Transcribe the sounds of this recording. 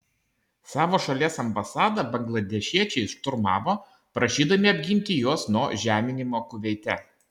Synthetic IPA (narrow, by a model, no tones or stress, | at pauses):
sɑːʋoːʃɐlʲiɛsɐmbɐsɑːd̪ɐbɐŋɡlˠɐd̪ʲɛʃʲiɛt͡ʃʲɛɪʃt̪ʊɾmɑ̰ːʋoː | pɾɐʃʲiːd̪ɐmʲɪɐbʲɡʲɪnʲt̪ʲɪjoɔsnuɔʒʲæːmʲɪnʲɪmoːkʊʋʲɛɪt̪ʲɛ